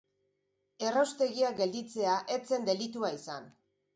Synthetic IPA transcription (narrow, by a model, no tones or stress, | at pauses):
e̞rawst̪e̞ɣiaɡe̞ld̪it͡se̞aʔe̞t͡se̞nd̪e̞lit̪uaisan